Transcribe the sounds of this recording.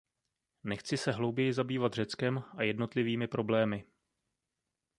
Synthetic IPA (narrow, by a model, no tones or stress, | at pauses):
nɛxt͡sɪsɛɦlo̞wbjɛjɪzabiːvat̪r̝ɛt͡skɛmʔajɛdno̞t̪lɪviːmɪpɾo̞blɛːmɪ